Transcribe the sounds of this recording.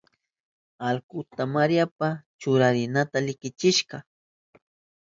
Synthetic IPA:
alkʊt̪amaɾjapat͡ʃʊɾaɾɪnat̪alɪkɪt͡ʃɪʃɢɑ

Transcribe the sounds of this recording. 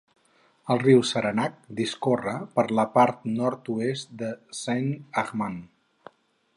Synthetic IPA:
əlˠriwsəɾənak̚d̪iskorəpəɾləpaɾt̪̚nɔɾt̪uest̪d̪əsanəɣman

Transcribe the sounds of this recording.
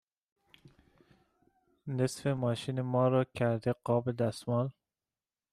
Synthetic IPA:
nesfemɒːʃiːnemɒːɾɒːkʲʰæɾd̪eɢɒːbed̪æst̪mɒːl

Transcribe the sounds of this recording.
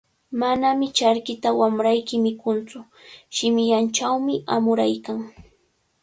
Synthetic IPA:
manamɪt͡ʃaɾkɪt̪awamɾajkɪmɪkʊnt͡sʊ | ʃɪmɪʎant͡ʃawmɪa̰mʊɾajkaŋ

